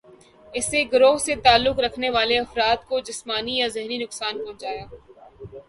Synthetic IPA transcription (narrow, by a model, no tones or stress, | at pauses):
ɪseɡʊɾoːɦset̪aːlːʊkɾɐkʰneʋaːleɐfɾaːt̪̚kod͡ʒɪsmaːnijazɛɦɾinʊksaːnpõːd͡ʒaːjaː